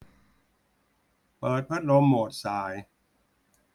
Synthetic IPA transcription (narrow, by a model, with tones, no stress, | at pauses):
pɤː˨˩t̪̚pʰa˦˥t̪̚lo˧mːoː˨˩t̪̚saː˨˩˦j